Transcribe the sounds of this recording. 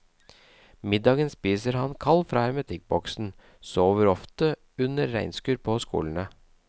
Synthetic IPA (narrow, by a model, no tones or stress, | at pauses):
mɪd̪ɑːɡənspiːsəɾhɑnkʰɑlfɾɑːɛmət̪ʰɪk̚bɔksn̩ | soːʋəɾɔft̪ə | ʉnəɾːæɪnskʉːɾpʰoːskṵːln̩ə